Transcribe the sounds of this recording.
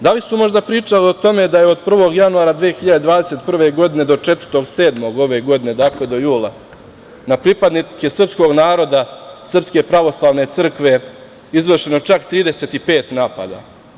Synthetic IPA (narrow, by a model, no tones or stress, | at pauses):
d̪alisumo̞ʒd̪apɾiːt͡ʂaliot̪o̞me̞d̪ajeo̞d̪̚pr̩ʋo̞ɡjanuaːɾad̪ʋiːexiʎad̪ed̪ʋaːd̪e̞se̞t̪pr̩ʋe̞ɡo̞d̪ine̞d̪o̞t͡ʂet̪vər̩t̪oɡse̞ːd̪mo̞ɡo̞ʋe̞ɡo̞d̪ine̞d̪akle̞d̪o̞juːlˠa | napɾipad̪nikisr̩psko̞ɡnaːɾo̞d̪asr̩pske̞pɾaʋo̞slˠaːʋne̞t̪sr̩kʋe̞ | izʋrʃeno̞t͡ʃakt̪ɾiːd̪ese̞t̪ipe̞ːt̪naːpa̰d̪a̰ː